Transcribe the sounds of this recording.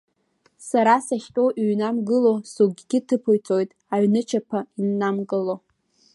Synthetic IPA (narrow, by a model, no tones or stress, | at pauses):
saɾasaχʲtʼoʔɥnamɡɨlosuɡʲɡʲɪtʰɨpʰojt͡sʰʼojtʼ | aɥnɨt͡ʃʰapʰainːamɡʼɨlo